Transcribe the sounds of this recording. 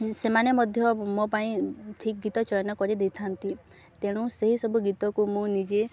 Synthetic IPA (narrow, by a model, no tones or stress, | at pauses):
semanemɔd̪ʱjɔmopaĩʈʰik̚ɡit̪ɔt͡ʃɔjnɔkɔɾid̪et̪ʰant̪i | t̪eɽ̃ũseɦisɔbuɡit̪ɔkumũnid͡ʒe